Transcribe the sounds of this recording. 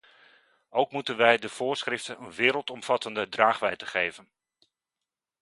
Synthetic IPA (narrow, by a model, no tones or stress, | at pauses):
ʔowkmutənʋɛjdəv̥ʊːɹsχrɪftənənʋɪːɾəlˠtɔmv̥ɑtəndədraːχʋɛjtəχejvən